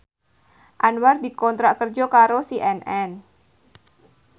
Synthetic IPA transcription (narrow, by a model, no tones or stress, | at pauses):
ʔanward̪ikɔnt̪ɾaʔkərd͡ʒɔkaɾosiʔɛnʔɛn